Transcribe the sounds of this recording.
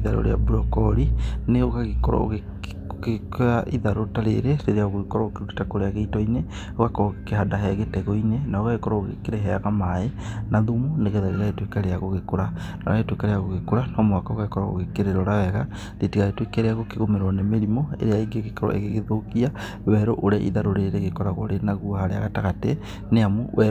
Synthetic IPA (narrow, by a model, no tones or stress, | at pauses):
iðaɾo̰ɾḛa̰buɾɔkɔɾineoɣaɣekɔɾɔ̰o̰ɣe | ɣekaʔiðaɾotaɾḛɾeɾeɾeaoɣoɣkɔɾɔokeɾuki̥takoɾeaɣeitɔine | oɣakɔkehadaɦɛɣetɛɣɔinenaoɣaɣekɔɾɔoɣḛkeɾeɦɛaɣamaenaðumoneɣeðaɾeɣaetwekaɾeaɣoɣekoɾa | nɔ̰aɣetwekaɾejaɣoɣekoɾanɔmoakaoɣaɣekɔɾaɣo̰ɣekeɾeɾoɾawɛɣa | ðetiɣaetwekeɾeaɣokeɣomeɾɔnemeɾimoḛɾeaiɡeɣekɔɾɔ̰ʔḛɣeɣeðokia | wɛɾoʔoɾaʔḭðaɾoɾeɾeɣekɔɾaɣoɾenaɣuhaɾea̰ɣataɣate | neamowɛ